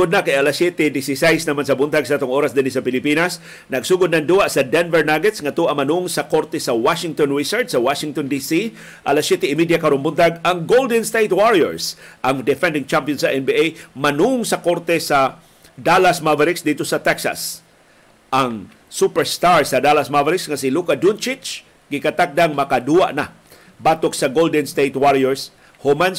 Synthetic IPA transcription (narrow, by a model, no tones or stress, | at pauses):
ʊd̪̚nakajalasjɛt̪ɛd̪ɪsɪsɛjsnɐmans̬ɐbʊnt̪aɡ̚sat̪ʊŋʔoːɾasd̪ɪnɪsɐpɪlɪpinas | nɐɡsuːɡʊd̪̚nɐŋd̪uaʔsɐd̪ɛnvɛɹnaɡɛt̪sŋat̪uʔamɐnuʊŋsakoɾt̪ɛsɐwaʃɪŋt̪onɹisɛɹt͡ʃsɐwaʃɪŋt̪ond̪isi | ʔalasjɛt̪ɛɪmid̪jakɐɾonbʊnt̪aɡaŋɡold̪ɛnst̪ejt̪̚waɹiɛ̰ɹsʔaŋd̪ɛfɛnd̪ɪŋt͡ʃampjɔnsaʔɛnbiʔejmanuʊŋsakoɾt̪ɛsa | d̪alasmavɛɾɪksd̪it̪osɐt̪ɛksa̰s | ʔaŋ | supɛɹst̪aɹsad̪alasmavɛɾɪksŋasɪlukad̪unt͡ʃɪt͡ʃ | ɡɪkat̪ak̚d̪aŋmɐkad̪uaʔna | bat̪oksaɡold̪ɛnst̪ejt̪waɾiɛɹs | hʊman